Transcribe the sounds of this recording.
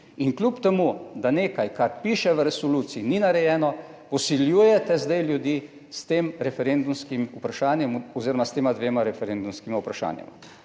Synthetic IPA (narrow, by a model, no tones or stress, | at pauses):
inklʲupt̪ɛmud̪aneːkajkaɾpiːʃɛʋəɾɛsɔluːt̪siininaɾɛjɛːnɔ | pɔsiljuːjɛt̪ɛzd̪ɛjljud̪jiː | st̪eːmɾɛfɛɾend̪umskimupɾaʃaːnjɛmɔziːɾɔmast̪eːmad̪ʋeːmaɾɛfɛɾend̪umskimaupɾaʃa̰ːnjɛ̰ma̰